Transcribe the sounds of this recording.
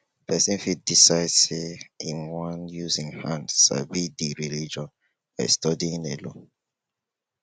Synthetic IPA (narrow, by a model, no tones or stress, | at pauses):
pʰɛsĩnfit̚disaɪdseĩnwãnjuzĩŋhãndsa̰bidiɹilid͡ʒɔ̃n | fa̰stɔdiĩnelõ